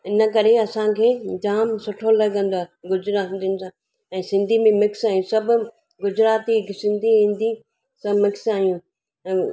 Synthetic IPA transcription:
ɪnə̆kɐɾeɐsãkʰeːd͡ʑaːmsʊʈʰolɐɡə̃nd̪oaɡʊd͡ʑɾaːt̪iʊnɪ̆sã | ɛ̃ːsɪ̃nd̪ʱimẽmɪksaːɦijũsɐbʱʊ̆ | ɡʊd͡ʑɾaːt̪iɪksɪ̃nd̪ʱiɦĩːnd̪i | sɐbmɪksaːɦijũ

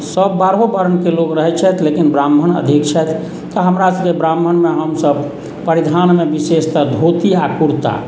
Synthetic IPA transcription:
səbːaɾɦobəɾənkeloɡɾəɦɛt͡ʃʰɛt̪ʰlekinbɾambʱənə̰d̪ʱikt͡ʃʰɛt̪ʰ | t̪ɔɦəmɾasəbkebɾambʱənmeɦəmsəb | pəɾid̪ʱanmebisest̪əd̪ʱot̪iakuɾt̪a̰

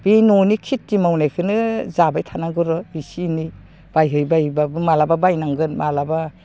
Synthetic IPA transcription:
b̥inɔnikʰitːimawnajkʰɯnɯzabajtʰanaɡɯɾɔisini | b̥ajɦɯjbajbabɯmalababajnaŋɡɯnmalaba

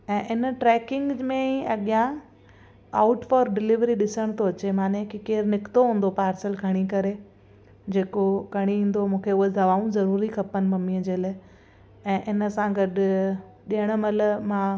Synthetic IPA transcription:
ɛ̃ːʔɪnəʈɾɛːkɪ̃ŋɡmẽĩɐɠijã | aːʊʈfɔːɾɖɪlɪʋɾiɗɪsəɽ̃t̪ʰoɐt͡ɕemaːnekikeːɾnɪkt̪oɦũːn̆d̪opaːɾsəlkʰɐɽ̃ikɐɾe | d͡ʑeːkokɐɽ̃iĩːn̆d̪omũːkʰeʊɦed̪ɐʋaːũzɐɾuːɾikʰɐpənɪ̆mɐmiəd͡ʑeːlː | ɛ̃ːʔɪnə̆sãɡɐɗ̆ | ɗiəɽ̃̆mɐləmãː

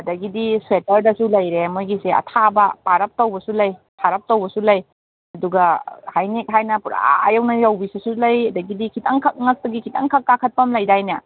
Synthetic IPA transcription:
ɐdɐɡidiswetɐɾdɐsulɐjɾemojɡiseɐ̰tʰabɐpaɾɐp̚towbɐsulɐjtʰaɾɐp̚towbɐsulɐj | ɐduɡɐhajnek̚ɦajnɐpuɾa̰ajawnɐjawbisɐsulɐjɐdɐɡidikʰitʰaŋkʰɐk̚ŋɐk̚tɐɡikʰitʰa̰ŋkʰakːakʰɐt̚pɐmlɐjdajnɐ

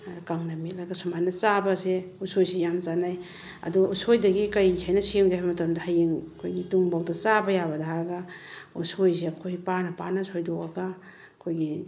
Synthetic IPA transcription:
kaŋnɐmilaɡɐsamajnɐt͡ʃabɐseusojsijamt͡ʃanaj | ɐ̰duusojdɐɡikɐjhajnɐseŋɡiajbɐmɐtɐmdɐhajiŋɐkʰojɡituŋbawdɐt͡ʃabɐjabɐdaɦaɾɐɡausojs̬eɐkʰojpanɐpanɐsojdoaɡa | ɐkʰojɡi

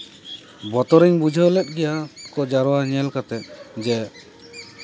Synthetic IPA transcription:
bɔt̪ɔɾiŋbud͡ʒʱəlɛt̪̚ˀɡɛjakɔd͡ʒaɾɔwaɲɛlkat̪ɛt̪̚d͡ʒɛ

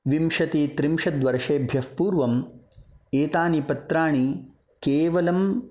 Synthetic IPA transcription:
ʋimʃɐt̪it̪ɾimʂɐd̪ʋɐɾʂeːbʱjɐhpuːɾʋɐm | eːt̪aːnipɐt̪ɾaːɳi | keːʋɐlɐm

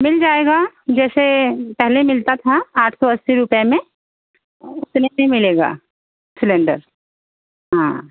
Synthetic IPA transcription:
mɪld͡ʒaːeːɡad͡ʒɛːsepɛɦlemɪlt̪at̪ʰaaːʈʰsɔɐsːiɾʊpjamẽ | ʊt̪nemẽmɪleːɡa̰ː | sɪlɛ̃ɳɖə̰ɾ | ɦãː

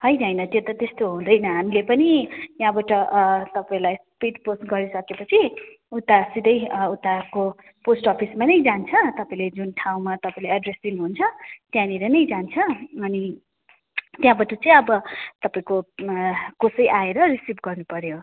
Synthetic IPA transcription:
ɦʌjnʌɦʌjnʌt̪jot̪ʌt̪est̪oɦũd̪ʌjnʌɦamilepʌnijãbaʈʌʔt̪ʌpaĩlajspiɖposʈɡʌɾisʌkepʌt͡sʰi | ut̪ːasid̪ʌjut̪ːako | posʈɔpʰismanʌjd͡zant͡sʰʌt̪ʌpaĩled͡zunʈʰaw̃mat̪ʌpãĩlajaɖresd̪inuɦunt͡sʰʌt̪jãniɾenʌjd͡zant͡sʰʌːni | t̪jãbaʈʌt͡sʌĩʌbʌt̪ʌpaĩko | kosʌjʔaeɾʌrisipɡʌrnupʌɾjo

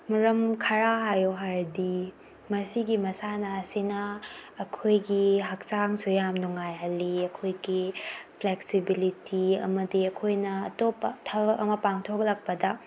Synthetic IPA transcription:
mɐɾɐmkʰɐɾaɦajoɦaɾdi | mɐsiɡimɐsanɐːsinɐːkʰojɡiɦɐk̚saŋsujamnuŋajɦɐlːiɐkʰojɡipʰleksibilitiɐ̰mɐdiɐkʰojnɐːtopɐtʰɐbɐɐmɐpaŋtʰokɐlɐk̚pɐdɐ

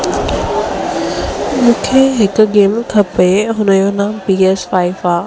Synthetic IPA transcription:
mũːkʰeɦɪkʊ̆ɡeːmkʰɐpeɦʊnəjoːnaːmpiːɛːsfaːɪfaː

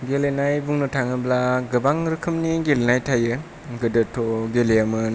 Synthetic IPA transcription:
ɡelenajbuŋnɯtʰaŋɯblaɡɯbaŋɾɯkʰɯmniɡelenajtʰajɯ | ɡɯdɯtʰoɡeleamɯn

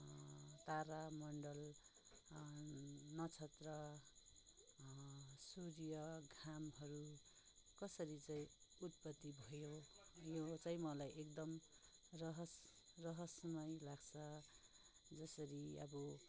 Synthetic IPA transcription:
t̪aɾamʌɳɖʌl | nʌt͡sʰʌt̪rʌ | suɾijʌɡʱamɦʌɾu | kʌsʌɾit͡saĩut̪̚pʌt̪ːibʱʌjojot͡saĩmʌlajʔekd̪ʌmrʌɦʌsrʌɦʌsmʌjlaɡt͡sʰʌ | d͡zʌsʌɾiʌ̰bʌ

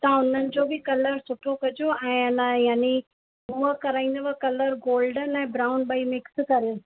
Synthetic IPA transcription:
t̪ãʊn̤ənɪ̆d͡ʑoːbʱɪkɐləɾsʊʈʰokɐd͡ʑoɛ̃ːɐnãjaːni | ɦuəkɐɾaːĩːnd̪ʋɐkɐləɾɡoːlɖənɛ̃ːbɾaːʊnɓɐimɪkskɐɾijũ

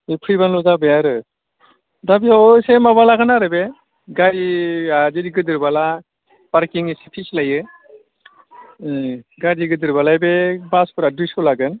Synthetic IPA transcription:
ipʰɾibanlɔzabejaɾɯ | dabiaosemaβalaɡɯnaɾɯbe | ɡaɾiaziɾiɡɯdɯɾbala | b̥aɾkiŋisipʰislajɯ | ɡadiɡɯdɯɾbalajbebaspɯɾadujsulaɡɯn

